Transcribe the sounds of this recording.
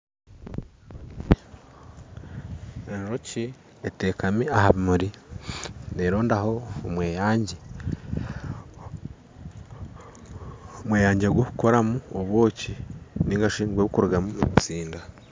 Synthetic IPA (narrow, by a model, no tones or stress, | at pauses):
enʒoci | eteːkamiahaβimuɾi | neɾoːndaho̞ːmweːjaːɲɟe | mweːjaːɲɟeɡwohuko̞ɾamuoβwo̞ːciniŋɡaʃiːŋɡweβukuɾɡamuemut͡siːnda